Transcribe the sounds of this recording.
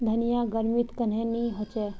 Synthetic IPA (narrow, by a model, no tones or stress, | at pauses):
d̪ʱənijaɡəɾmit̪kənɦẽniɦot͡ʃɛ